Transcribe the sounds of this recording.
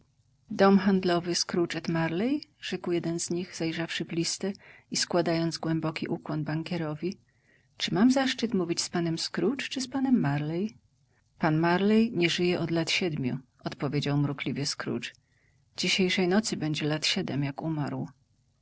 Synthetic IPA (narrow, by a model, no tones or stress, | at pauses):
d̪ɔmxand̪lɔvɘskɾut͡ʂɛt̪maɾlɛjʐ̥ɛkwjɛd̪ɛnzɲiɣzajʐafʂɘvlʲist̪ɛiskwad̪ajɔnd̪zɡwɛmbɔkʲiʔukwɔnbaŋkʲɛɾɔvʲi | t͡ʂɘmamzaʂt͡ʂɨt̪muvʲit͡ɕspanɛmskɾut͡ʂt͡ʂɘspanɛmːaɾlɛj | panmaɾlɛjɲɛʐɘjɛʔɔd̪lat̪ɕɛd̪mʲjṵ | ɔt̪pɔvʲjed͡ʑawmɾuklʲivʲjɛskɾṵt͡ʂ | d͡ʑiɕejʂɛjnɔt̪sɘbɛɲd͡ʑɛlat̪ɕɛd̪ɛmjakumaɾw